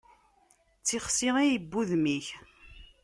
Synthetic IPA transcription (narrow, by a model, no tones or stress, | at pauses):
t͡sːiχsiʁijəbːuðmiç